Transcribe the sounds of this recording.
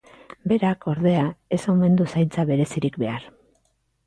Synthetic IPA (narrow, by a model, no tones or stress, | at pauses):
be̞ɾakʰo̞ɾðe̞ae̞some̞nd̪usajnt͡saβe̞ɾe̞siɾikbe̞aɾ